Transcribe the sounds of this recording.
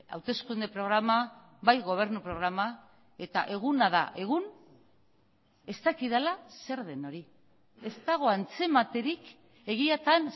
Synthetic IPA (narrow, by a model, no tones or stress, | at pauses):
a̰wt̪e̞skund̪e̞pɾo̞ɣ̞ɾama | βajɣo̞β̞e̞ɾnupɾo̞ɣ̞ɾama | e̞t̪aʔe̞ɣ̞unaða̰ʔe̞ɣ̞un | e̞st̪akiðalase̞ɾðe̞no̞ɾi | e̞st̪aɣ̞o̞ant͡se̞mat̪e̞ɾik | e̞ɣ̞iat̪an